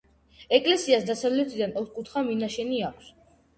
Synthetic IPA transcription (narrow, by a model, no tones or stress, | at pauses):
ɛkʼlɛsiasd̪asavlɛt̪ʰid̪anɔt̪ʰkʼut̪ʰχaminaʃɛniakʰs